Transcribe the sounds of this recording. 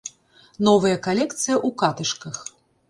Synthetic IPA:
nɔvɐjɐkalʲɛkt̪sɨjɐʔukat̪ɨʂkɐx

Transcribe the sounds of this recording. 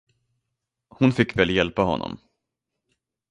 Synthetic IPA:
hʊnfɪkːvɛːljɛlpaɦɔ̰nːɔ̰m

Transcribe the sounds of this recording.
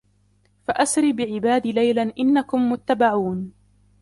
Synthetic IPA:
faʔasɾɪːbɪʕɪbaːd̪iːlajlaʔɪnːakʊmːʊt̪ːabaʕuːn

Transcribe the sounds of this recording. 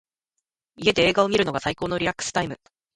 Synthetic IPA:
ie̞d̪e̞eːɡao̞mʲiɾɯ̟no̞ɡasaikoːno̞ɾʲiɾakːɯ̥sɨ̥t̪aimɯ̟

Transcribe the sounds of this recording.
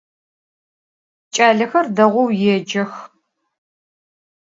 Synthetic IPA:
t͡ʃʼaːɮɐxɐrdɐʁʷɔwjɛd͡ʒɐx

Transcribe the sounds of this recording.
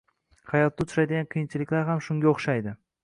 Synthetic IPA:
hajɒt̪ːat̪ʰʊʃajd̪ɪɡʲanqʰɨjɪnt͡ʃʰɪlɪkʲlaɾɦamʃʊŋɡʲaoχʃajd̪ɪ

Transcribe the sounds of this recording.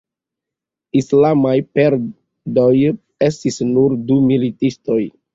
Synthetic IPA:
islamajpe̞ɾ | doj | e̞stisnuɾdumilitisto̞j

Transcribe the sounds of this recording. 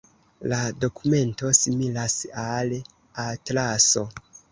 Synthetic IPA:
lado̞kume̞nto̞similasal | atlaso̞

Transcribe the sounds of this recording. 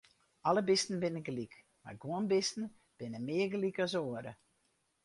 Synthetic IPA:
ɔləbɪstn̩bɪnəɡlik | ma̰rɡuənbɪstn̩ | b̥ɪnəmɪːərɡlikɔsoəɾə

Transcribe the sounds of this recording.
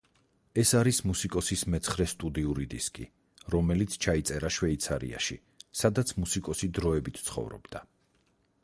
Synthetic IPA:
ɛsaɾismusikʼɔsismɛt̪sʰχɾɛst̪ʼud̪iuɾid̪iskʼḭ | ɾɔmɛlit̪sʰt͡ʃʰait̪sʼɛɾaʃwɛit̪sʰaɾḭa̰ʃḭ | sad̪at̪sʰmusikʼɔsid̪ɾɔɛbit̪ʰt̪sʰχɔ̰vɾɔ̰bd̪̥a

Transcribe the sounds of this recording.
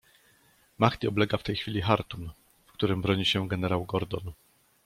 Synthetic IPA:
maxt̪ʲiɔblɛɡaft̪ɛjxfʲilʲixaɾt̪un | fkt̪uɾɘmbɾɔɲiɕɛɡɛnɛɾawɡɔɾd̪ɔn

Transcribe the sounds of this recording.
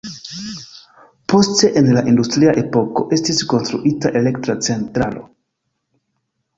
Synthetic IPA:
po̞ste̞ʔenlaʔindustɾiaʔe̞po̞ko̞̰ʔe̞stisko̞nstɾuʔitaʔe̞le̞ktɾat͡se̞ntɾalo̞̰

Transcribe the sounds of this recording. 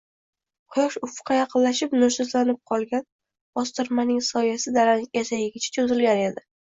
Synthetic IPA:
qʰʊjɒʃʊfqʰɑjɑqɨnlaʃɪpnʊɾsʊzlanɪp̚qʰɒlˠɡʲan | bɒst̪ɪɾmanɪŋsɒjasɪd̪alanʲasajɪɡʲɪt͡ʃʰḁt͡ʃʰozɪlɡʲane̞d̪ɪ

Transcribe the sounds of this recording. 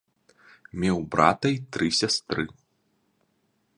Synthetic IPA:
mʲɛwbɾa̰t̪ɐjt̪ɾɨsʲast̪ɾɨ

